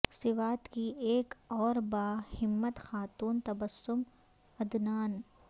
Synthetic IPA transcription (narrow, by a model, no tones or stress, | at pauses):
sɪʋaːt̪kieːkɔːɾbaːhɪmːət̪xaːt̪uːnt̪ɐbəsːʊm | ɐd̪naːn